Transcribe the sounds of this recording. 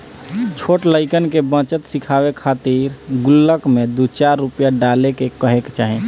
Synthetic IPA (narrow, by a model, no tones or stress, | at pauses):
t͡ʃʰoːʈlaɪkənkebə̃t͡ʃət̪sɪkʰaːwekʰaːt̪iːɾɡʊlːəkmẽd̪ut͡ʃaːɾːʊpjaɖaːlekekəɦekt͡ʃaːɦẽ